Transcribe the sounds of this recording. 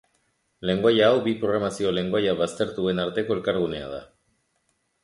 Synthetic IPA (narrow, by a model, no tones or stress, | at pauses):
le̞ŋɡoajaːwbipɾo̞ɣɾamasio̞le̞ŋɡoajaβast̪e̞ɾt̪ue̞naɾt̪e̞ko̞e̞lkaɾɣ̞une̞a̰ð̞a̰